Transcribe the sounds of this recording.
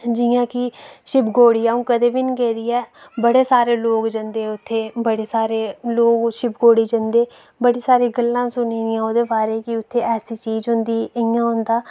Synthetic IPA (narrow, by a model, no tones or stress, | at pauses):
d͡ʒɪjãːkɪʃɪpɡoːɽiːaːũːkəd̪eːbiːnikɛːd̪iːɛːbəɽeːsaːɾeːloːɡd͡ʒənd̪eːʊt̪ʰːeːbəɽeːsaːɾeːloːɡʃɪpɡoːɽiːd͡ʒənd̪eː | bəɽiːsaːɾiːɡəlːãːsʊniːd̪ɪjãːoːd̪eːbaːɾeːkɪʊt̪ʰːeːʔɛːsiːt͡ʃiːzɦʊnd̪iːəjãːɦʊnd̪aː